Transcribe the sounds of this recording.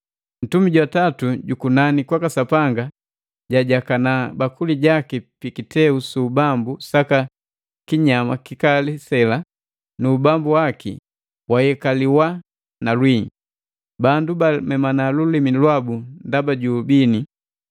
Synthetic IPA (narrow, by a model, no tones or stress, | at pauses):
n̩tumiɟwatatuɟukunanikwakasapaŋɡa | ɟaɟakanabakuliɟakipikitɛusuːbambusaka | kiɲamakikalisɛla | nubambuwakḭ | wajɛkaliwa | nalwiɲi | bandubamɛmanalulimilwabundabaɟuːbini